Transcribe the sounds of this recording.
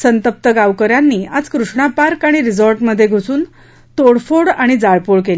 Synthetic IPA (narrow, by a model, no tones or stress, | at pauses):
sənt̪əp̚t̪əɡaʋkəɾjanːiːad͡zkɾuʂɳapaɾkaɽ̃iɾid͡zoɾʈməd̪ʱːjeɡʱosuːn | t̪oɽfoɽaɽ̃id͡zaɭpoɭkeli